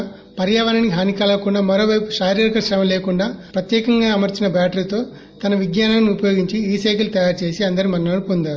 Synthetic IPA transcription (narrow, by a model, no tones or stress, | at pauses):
pɐɾjaːʋɐnɐniɦaːnikaːlɐkuɳɖaːmɐɾoːʋɐjpu̥ʃaːɾiɾɐkɐʃɾɐmɐleːkuɳɖaːpɾɐt̪jɛːkɐŋɡaːɐmɐɾt͡ʃinɐbaːʈɐɾt̪o̞ː | t̪ɐnɐʋiɡɲaːnaːniupɐjo̞ːɡiɲt͡ʃiiːsɐjkɐlut̪ɐjaːɾt͡ʃe̞ːsiɐnd̪ɐɾimɐnɐnɐnupond̪aːɾu